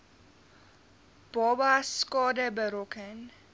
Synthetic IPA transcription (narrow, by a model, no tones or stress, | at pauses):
b̥ɔbaskɑːdəbəɾɔkʰən